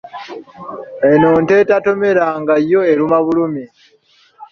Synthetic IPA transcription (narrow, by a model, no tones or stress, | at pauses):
enoːnte̞tato̞me̞ɾaːŋɡajːo̞eɾumaβulumi